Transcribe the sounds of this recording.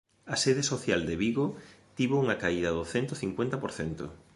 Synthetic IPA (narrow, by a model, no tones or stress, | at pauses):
ɐseðesoθjald̪eβiɣot̪iβouŋɐkaiðɐðʊθent̪ʊθiŋkwent̪ɐpoɾθɛnt̪ʊ̰